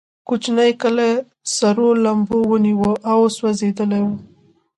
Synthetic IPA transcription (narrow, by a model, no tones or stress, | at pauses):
kut͡ʃnajkəla | saɾolambowəniwəʔawswazed̪əlajwə